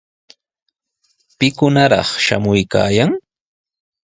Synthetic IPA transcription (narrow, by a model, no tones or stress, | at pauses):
pɪkʊnaɾɑ̰χʃa̰mʊjka̰ːjaŋ